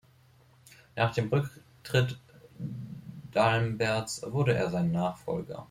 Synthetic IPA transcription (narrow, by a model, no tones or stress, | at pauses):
naːχd̥eːmʁʏk | tʁ̥ɪt | d̥almbɛɐt͡sv̥ʊɐɾəʔḛːɐzaɪnnːaːχfɔ̰lɡɐ̰